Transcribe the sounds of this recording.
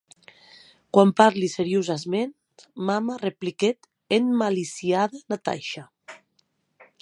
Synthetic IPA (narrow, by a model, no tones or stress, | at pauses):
kwampaɾliseɾjuzazment̪mamarepliket̪ | enmalisiaðanat̪a̰jʃa